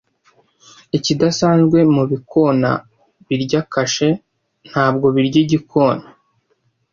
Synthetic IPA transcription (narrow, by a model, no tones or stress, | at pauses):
icidasaːnzɡwe̞muβikʰo̞na̰ | βiɾɟakaʃe̞ | n̥haːb̚ɡo̞βiɾɟiɟikʰo̞ːna